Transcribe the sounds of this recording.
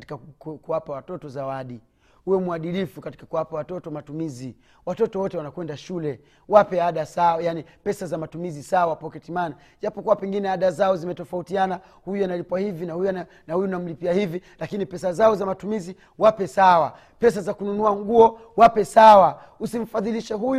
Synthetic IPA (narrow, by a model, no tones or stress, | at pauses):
ti̥kakkuwapawatɔtɔzawaɗi | huwɛmuaɗilifukati̥kakuwapawatɔtɔmatumizi | watɔtɔwɔtɛwanakwɛndaʃulɛ | wapɛaɗasawajanipɛsazamatumizisawapɔkɛtimana | ʄapɔkuwapɛŋɡinɛaɗazaɔzimɛtɔfautiana | hujujanalipwahivinahujuana | nahujunam̩lipiahivilakinipɛsazaɔzamatumizi | wapɛsawa | pɛs̬azakununuaŋɡuɔ | wapɛsawa | usim̩faðiliʃɛɦuj